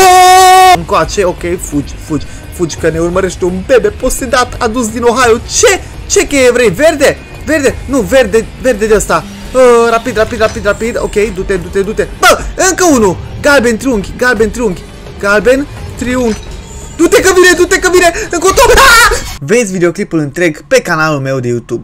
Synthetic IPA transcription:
ɨŋkoat͡ʃeokʲejfud͡ʒfud͡ʒʲ | fud͡ʒkəne̞urməɾeʃt̪eunbebepost̪ed̪at̪ad̪us̬d̪inoɦajot͡ʃe | t͡ʃekeevɾejverd̪e | verd̪enuverd̪everd̪ed̪eəst̪a | ərapid̪rapid̪rapid̪rapid̪o̰kejd̪ut̪ed̪ut̪ed̪ut̪e̞bəɨŋkəunuɡalbe̞nt̪ɾiuŋɡʲɡalbe̞nt̪ɾiuŋɡʲ | ɡalben | t̪ɾiuŋɡʲ | d̪ut̪e̞kəvine̞d̪ut̪ekəvine̞ɨŋkot̪o | ve̞d̪sʲvid̪eo̞klipulɨnt̪ɾe̞ɡpe̞kanalulme̞wd̪e̞jut̪ub̚

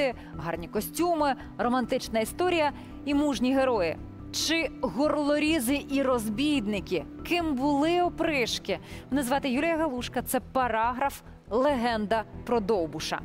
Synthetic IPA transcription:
ɪ | ɦɑrnʲikɔsʲtʲumɪ | rɔmɐnt̪ɪt͡ʃnɐist̪ɔɾʲijɐ | imuʒnʲiɦeɾɔjɪ̰ | t͡ʃɪɣɔrlˠɔɾʲizɪʔiɾɔzbʲijd̪nɪkʲikɪmbʊlˠɪɔpɾɪʃkɪnɐzʋɑt̪ɪjulʲijɐɦɐlˠuʃkɐt̪sɛpɐɾɑɦɾɐf | lˠeɦɛnd̪ɐpɾɔd̪ɔwbʊʃɐ̰

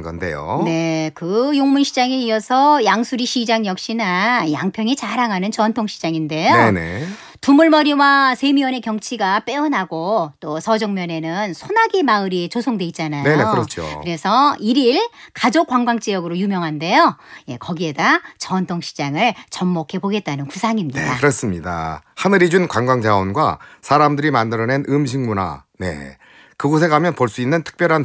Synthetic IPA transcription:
ɡʌ̰nde̞̰jo̰ne̞kɯjoŋmunɕʰid͡ʑaŋe̞iʌsʰʌjaŋsʰuɾiɕʰid͡ʑaŋjʌk̚ɕ͈inaja̰ŋpʰjʌŋit͡ɕaɾaŋɦanɯnt͡ɕʌntʰoŋɕʰi̥d͡ʑaŋinde̞joenḛ | tumuɭmʌɾiwasʰe̞miwʌne̞kjʌŋt͡ɕʰiɡap͈e̞ʌnɦaɡot͈osʰʌd͡ʑʌŋmjʌne̞nɯnsʰonaɡimaɯɾit͡ɕosʰoŋdwe̞it̚t͡ɕ͈anajeoeokɯɾʌt͡ɕʰo̰kɯɾe̞sʰʌiɾiɭkad͡ʑok͈waŋɡwaŋt͡ɕ͈ijʌɡɯɾojumjʌŋɦande̞joje̞̰kʌɡie̞dat͡ɕʌntʰoŋɕʰi̥d͡ʑaŋɯɭt͡ɕʌmːokʰe̞boɡe̞t̚t͈anɯnkusʰaŋimɲideaakɯɾʌs͈ɯmɲida̰hanɯɾid͡ʑunkwaŋɡwaŋd͡ʑaʌnɡwa̰sʰaɾamdɯɾimandɯɾʌne̞nɯmɕ̬ʰiŋmuna̰ne̞̰ | kɯɡos̬ʰe̞ɡamjʌnpʌɭs͈uinːɯntʰɯ̥k̚p͈jʌɾɦan

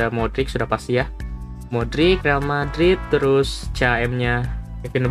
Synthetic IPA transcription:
amodɾɪk̚sudahpast̪ija | modɾɪkrealmadɾɪt̪ːəɾʊst͡ʃaɛmɲa | akɪnəb

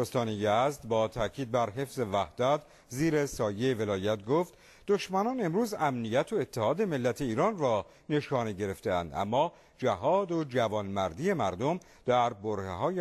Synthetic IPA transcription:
ost̪ɒːnejæzd̪bɒːt̪ʰæcʰiːd̪̚bæɾɦe̞fze̞væhd̪̥æt̪ʰ | ziːɾesɒːjejeve̞lɒːjæt̪̚ɡoft̪ | d̪̥oʃmænɒːne̞mɾuːzæmnijæt̪ʰo̞et̪ʰːehɒːd̪e̞me̞lːæt̪ʰe̞iːɾɒːnrɒː | ne̞ʃɒːneɟe̞ɾe̞ft̪eæ̰nd̪æ̰mːɒː | d͡ʒæɦɒːd̪o̞d͡ʒævɒːnmæɾd̪iːe̞mæɾd̪o̞m | d̪̥æɾboɾhḛɦɒːje

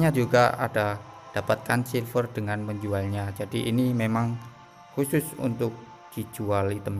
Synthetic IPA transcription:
ɲad͡ʒuɡaa̰d̥a | d̥apat̪̚kansilfərd̥əŋanməɲd͡ʒualɲad͡ʒad̥iʔinimemaŋ | kusʊsṵnt̪ʊk̚ | d̥i̥d͡ʒ̥ualit̪əm

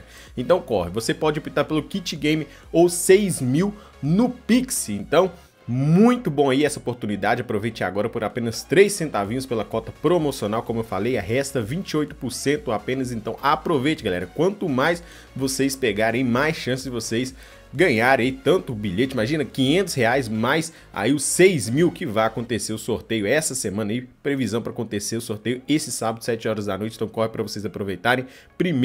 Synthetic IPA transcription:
ẽt̪ɐ̃w̃kɔhɪvosepɔd͡ʒɪopit̪aɾpelʊkit͡ʃɪɡẽj̃mɪ | owsejzmiw | nʊpiksɪẽnt̪ɐ̃w̃ | mũj̃t̪ʊbõɐiɛsɐopoɾt̪unid̪ad͡ʒɪapɾovejt͡ʃeɾa̰ɡɔɾɐpoɾapẽnɐst̪ɾejsːẽnt̪avĩɲʊspelɐkɔt̪ɐpɾomosionawkõmʊewfalejɐɦɛst̪ɐvĩt͡ʃiojt̪ʊ̥pʊɾsẽnt̪ʊoapẽnɐzẽnt̪ɐ̃w̃ʔapɾovejt͡ʃɪɡalɛ̰ɾɐkwɐ̃nt̪ʊmajs | vosejspeɡaɾẽj̃majsʃɐ̃sɪzd͡ʒɪvosejs | ɡɐ̃ɲaɾɐit̪ɐ̃nt̪ʊːbiʎet͡ʃɪimaʒĩnɐkĩɲẽnt̪ʊsheajsmajs | a̰iʊsejzmiwkɪvajakõnt̪eseɾʊsoɾt̪ejʊɛsɐsemɐ̃nɐipɾevizɐ̃w̃pɾakõnt̪eseɾʊsoɾt̪ejʊesɪsabɐd̪ʊsɛt͡ʃɪɔɾɐzd̪a̰nojt͡ʃɪ̃t̪ɐ̃w̃kɔhɪpɾɐvosejzapɾovejt̪aɾẽj̃ | pɾim

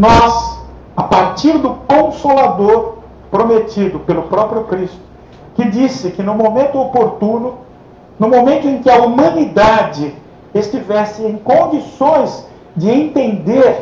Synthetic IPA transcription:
nɔz | apaɾt͡ʃiɾd̪ʊkõsolad̪oɾ | pɾomet̪id̪ʊpelʊpɾɔpɾjʊkɾist̪ʊ̥ | kɪd͡ʒisɪkɪnʊmomẽnt̪ʊopoɾt̪ũnʊ | nʊmomẽnt̪ʊẽkɪɐumɐ̃nid̪ad͡ʒɪ | est͡ʃivɛsɪẽj̃kõnd͡ʒisõj̃z | d͡ʒɪẽnt̪ẽnd̪eɾ

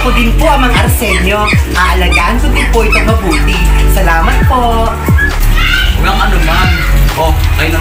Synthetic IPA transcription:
kʊd̪ɪnpoʔɐŋmɐŋaʔɐɾsɛlo̞ʔaʔɐlɐɡaːʔɐnkʊd̪ɪnpoʔɐt̪ɐmɐbuːt̪ɪsɐlaːmɐt̪̚po | ɡɐŋʔɐnoman | okɐj

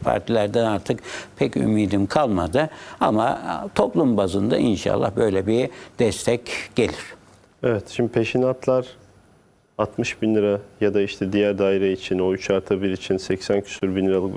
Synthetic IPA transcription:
pʰa̰ɾt̪ʰilʲæɾd̪ænaɾt̪ʰɯkpʰɛcy̰miːd̪imkʰalˠmad̪ɯa̰ma̰t̪ʰo̞plˠumbazɯnd̪a̰ʔinʃa̰lˠːa̰hbø̞jlʲɛbid̪̥ɛst̪ʰɛcɟ̥e̞lʲiɾ̥ | evɛt̪ʃimd̪ipʰeʃinat̪ʰlˠaɾ̥ | at̪mɯʃbinlʲiɾajad̪aiʃt̪ʰɛd̪ijæɾd̪aːiɾɛit͡ʃʰino̞yt͡ʃʰaɾt̪ʰabiɾit͡ʃʰinsɛcsæncʰy̥syɾbinlːʲiɾalˠɯk

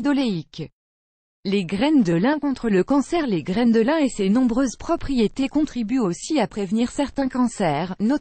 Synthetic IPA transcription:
d̪ɔleik | leɡʁɛnd̪əlɛ̃kɔ̃t̪χələkɑ̃sɛʁleɡʁɛnd̪əlɛ̃esenɔ̃bʁøzpχɔpχijet̪ekɔ̃t̪χibyosiapχevniʁsɛʁt̪ɛ̃kɑ̃sɛːʁno

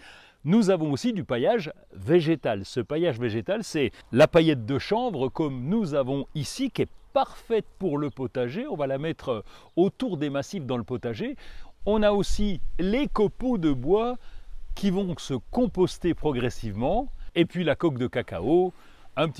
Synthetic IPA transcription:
nuzavɔ̃osid̪ypajaʒ | veʒet̪alsəpajaʒveʒet̪alsɛlapajɛt̪̚d̪əʃɑ̃bʁəkɔmnuzavɔ̃isikʲɛpaʁfɛt̪̚puʁləpɔt̪aʒeɔ̃valamɛt̪χ | ot̪uʁd̪emasifd̪ɑ̃ləpɔt̪aʒeɔ̃naosilekɔpod̪əbwakʲʰivɔ̃səkɔ̃pɔst̪epχɔɡʁɛsivmɑ̃epɥilakɔk̚d̪əkaka̰o | ɛ̃pət̪

